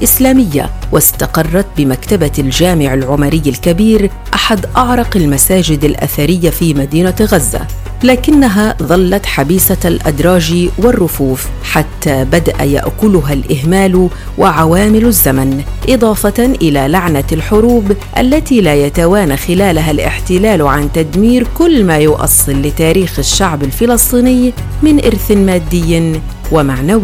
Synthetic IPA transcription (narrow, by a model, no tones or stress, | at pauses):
ʔɪslaːmɪjːa̰wɪst̪ɑqɑrˤːɑt̪̚bɪmakt̪abald͡ʒaːmɪʕɪlʕʊmaɾɪjːalkabiːɾ | ʔaħad̪ʔɑʕɾˤɑqalmasaːd͡ʒɪd̪alʔa̰θaɾɪjːafiːmad̪iːnaɣazːa̰ | laːkɪnːaɦaðˤɑlːɑt̪ħabiːsalʔad̪ɾˤɑːd͡ʒiwɪrˤːʊfuːfħat̪ːaːbad̪aʔa̰ja̰ʔkʊlʊɦalʔɪɦmaːl | wɪʕawaːmɪlazːamanʔɨd̪ˤɑːfɑʔɪlalaʕnalħʊɾuːbʔa̰lːat̪ilajat̪awaːnaxɪlaːlaɦalʔɪ̰ħt̪ɪlaːlʕant̪ad̪miːɾkʊlːmaːjʊʔɑ̰sˤːɨlːɪt̪aːɾiːxaʃːaʕbalfɪlɑsˤt̪ˤiːnɪjː | mɪnʔɪ̰ɾθnmaːd̪ːɪjː | wɪmaʕnawɪ